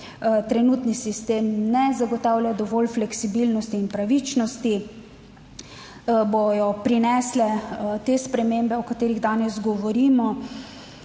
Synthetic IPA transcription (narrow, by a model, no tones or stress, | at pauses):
t̪ɾɛnuːt̪nisist̪emnɛzaɡɔt̪aːwlʲjad̪ɔʋɔːlflɛksibilnɔst̪iːnpɾaʋit͡ʃnɔst̪i | bojɔpɾinɛslɛt̪espɾɛmembɛɔkat̪eːɾiɣd̪aːnɛzɡɔʋɔɾiːmɔ